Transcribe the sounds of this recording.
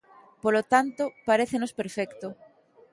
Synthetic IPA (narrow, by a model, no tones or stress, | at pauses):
polot̪ant̪opaɾeθenospeɾfɛkt̪o